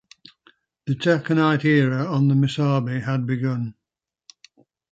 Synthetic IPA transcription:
ðətʰɛkənaɪtɪːɹəə̃nðəmɪsɑːbiəd̚bɪɡʊ̃n

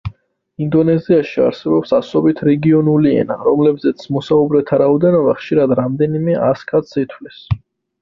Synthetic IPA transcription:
ind̪ɔnɛziaʃia̰ɾsɛbɔpsasɔbit̪ʰɾɛɡiɔnuliɛ̰na̰ɾɔmlɛbzɛt̪sʰmɔsaubɾɛt̪ʰaɾaɔd̪ɛnɔbaχʃiɾad̪ɾamd̪ɛnimɛʔaskʰat̪sit̪ʰwlis

